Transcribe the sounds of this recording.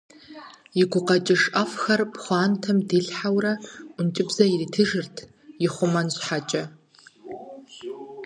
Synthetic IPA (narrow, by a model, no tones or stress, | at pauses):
iɡʷʊqɐt͡ʃʼɪʂafxɐrpχʷɑːntʰɐmdiɬħawrɐʊnt͡ʃʼɪbzɐiritʰɨʐɨrtʰ | iχʷʊmɐnɕʷħat͡ʃʼɐ